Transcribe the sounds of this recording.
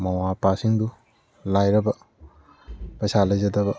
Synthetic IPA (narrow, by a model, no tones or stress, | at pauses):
mɐwapasiŋd̪u | lajɾɐbɐ | pɐjsalɐjd͡ʒɐdɐbɐ